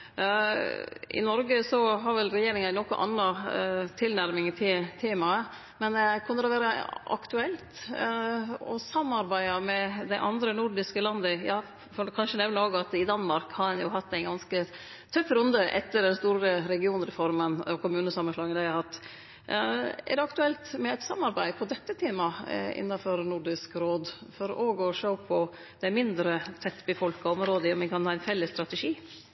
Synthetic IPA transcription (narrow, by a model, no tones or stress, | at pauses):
ʔɪ̰nɔɾɡəsɔɦɑɾʋɛlɾɛjeːɾɪŋɑnɔkːɔʔɑ̰nːɑt̪ʰɪlnæɾmɪŋt̪ʰɪt̪ʰeːmɑə | mɛnkʰʉnːəd̪ɛʋæːɾəʔɑ̰kt̪ʉɛlt̪ | ɔ̰sɑmːɑɾbæɪɑmɛd̪æɪʔɑnd̪ɾənʊɖɪskəlɑnd̪əjɑː | fɔkʰɑnʂənɛʋnəɾoːɡɑt̪ɪd̪ɑnːmɑɾkhɑɾɛnjʊɦɑt̪ːæɪɡɑnskə | t̪ʰœfːɾʉnd̪əʔɛ̰t̪ːəɖɛnst̪uːɾəɾɛɡɪuːnɾɛfɔɾmənɔkʰʊmʉːnəsɑmːənʂlɑːɡənæɪhɑɾhɑt̪ː | æ̰ɖɛɑkt̪ʉɛlt̪mɛæɪt̪sɑmːɑɾbæɪpʰɔd̪ɛt̪ːət̪ʰeːmɑɪ̰nːɑfɔɾnʊɖɪskɾoːd̪fɔɾoːɡɔʂəʊpʰɔ | d̪̥ɛæɾmɪnd̪ɾət̪ʰɛt̪ːbəfɔlkɑɔmɾoːd̪əɔmɛnkʰɑnhɑːæɪnfɛlːəsːt̪ɾɑt̪ɛʂiː